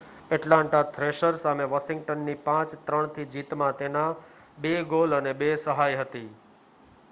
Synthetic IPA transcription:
ɛʈlãɳʈat̪ʰɾeʃəɾsameʋaʃɪŋɡʈənːipãt͡ʃt̪ɾəɳ̃t̪ʰid͡ʒit̪mãt̪ena | beɡolənebesəɦajɦət̪i

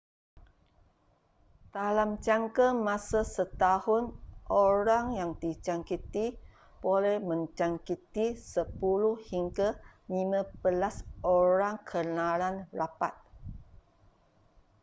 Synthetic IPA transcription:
d̪̥alamt͡ʃaŋkəmãsasət̪ahʊnʔoɾaŋjaŋd̪it͡ʃaŋkit̪i | b̥olɛhmə̃nt͡ʃaŋkit̪isəpuluhhiŋɡalimãbəlasoɾaŋkʰənãlanrapat̪̚

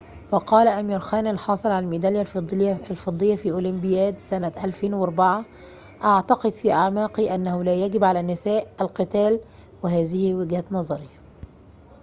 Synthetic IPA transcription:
wɑqɑːlaʔæmiːɾxæːnɪlħɑːsˤɨlʕalælmid̪æljalfɑd̪ˤːɨjːafiːʔʊːlɪmbɪjæːd̪sænaʔælfeːnwɑɾˤbaʕa | ʔaʕt̪ɑqɨd̪fiːʔaʕmaːqiʔanːahʊlæːjæɡɪbʕalænːɪsæːʔælqɨt̪æːl | wɪɦæːzɪhɪwɪɡhæt̪nɑzˤɑɾi

